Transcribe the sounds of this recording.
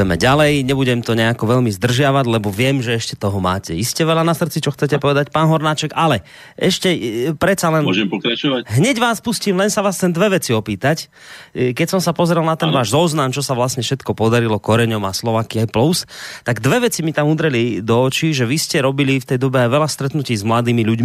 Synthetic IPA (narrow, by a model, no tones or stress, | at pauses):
ɛmɛɟalɛjɲɛbuɟɛmt̪ɔɲɛakɔʋɛʎmizd̪r̩ʒɪaʋaɟlɛbɔʋɪɛmʒɛɛʃcɛt̪ɔɦɔma̰ːcɛiscɛʋɛlanasr̩t͡sit͡ʃɔxt͡sɛcɛpɔʋɛd̪acpaːnɦɔɾnaːt͡ʃɛkalɛ | ɛʃcɛpɾɛt̪t͡salɛnɔʒɛmpɔkɾat͡ʃɔʋaɦɲɛɟʋaːspusciːmlɛnsaʋaːst̪ɛnd̪ʋɛʋɛt͡siɔpiːt̪ac | kɛcsɔmsapɔzɾɛlˠnat̪ɛnʋaːʒzɔznamt͡ʃɔsaʋlasɲɛfʃɛt̪kɔpɔd̪aɾilɔkɔɾɛɲɔmaslɔʋaːkiajplust̪aɡd̪ʋɛʋɛt͡simit̪amud̪ɾɛlid̪ɔːt͡ʃiʒɛʋiscɛɾɔbilift̪ɛjd̪ɔbɛajʋɛlast̪ɾɛt̪nuciːzmlad̪iːmiʎuɟ